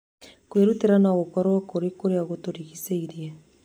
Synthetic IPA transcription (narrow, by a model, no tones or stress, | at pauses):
koeɾuteɾanaoɣokaɾoakoɾekoɾeaɣotoɾiɣiseiɾie